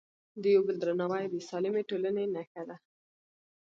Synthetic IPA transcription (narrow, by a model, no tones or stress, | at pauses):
d̪əjobəld̪ɾanɑwajbesɑlɪmeʈolənenaxad̪a